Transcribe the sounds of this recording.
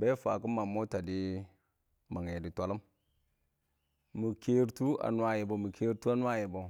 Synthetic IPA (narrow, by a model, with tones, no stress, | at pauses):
be˦fa˨ku˦ma˨mo˦ta˨di˦ | ma˨ŋ˨e˨di˨tʷa˨lu˦m | mu˨ke˦ɾtu˦a̰˨nwa˦ji˨bo˨mu˨kʰe˦ɾtu˦a˦nwa˦ji˨bo˨